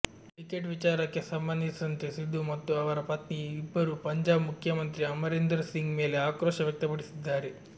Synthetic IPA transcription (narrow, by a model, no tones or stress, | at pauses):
ʈikeʈʋit͡ʃaːɾɐkːe̞sɐmbɐnd̪ʱisɐnt̪esid̪ːumɐt̪ːuɐʋɐɾɐpɐt̪niibːɐɾupɐɲd͡ʒaːbmukʰjɐmɐnt̪ɾiɐmɐɾend̪ɐɾsiŋɡme̞ːle̞aːkɾɔːʃɐʋjɐk̚t̪ɐpɐɽisid̪ːaːɾe